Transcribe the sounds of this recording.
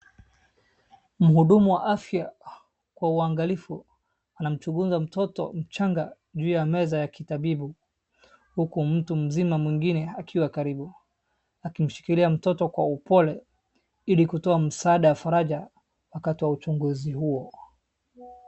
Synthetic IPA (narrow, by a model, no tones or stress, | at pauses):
m̩huɗumuwaʔafja | kwauaŋɡalifu | anam̩t͡ʃuɡuzam̩tɔtɔ̰m̩t͡ʃaŋɡa | ʄuːjamɛzajakitaɓiɓu | hukum̩tum̩zimamwiŋɡinɛakʰiwakaɾiɓu | akim̩ʃi̥kiliam̩tɔtɔkwaupɔlɛ | ilikutɔam̩saːɗawafaɾaʄa | wakatiwaut͡ʃuŋɡuzihuɔ